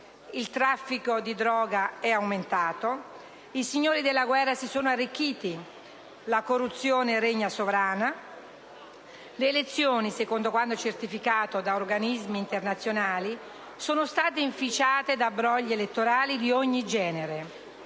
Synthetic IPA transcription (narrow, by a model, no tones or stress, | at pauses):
ilt̪ɾafːikod̪id̪ɾɔːɡaɛawment̪aːt̪o | isiɲːoːɾid̪elːaɡwɛrːasisoːnoarːikːiːt̪i | lakorːut̪sːjoːneɾeɲːasovɾaːna | leːlet̪sːjoːnisekond̪okwand̪ot͡ʃert̪ifikaːt̪od̪aorɡanizmiːnt̪ernat̪sːjonaːli | soːnost̪aːt̪eiɱfit͡ʃaːt̪ed̪abɾɔʎːeelet̪ːoɾaːlid̪ioɲːid͡ʒɛːneɾe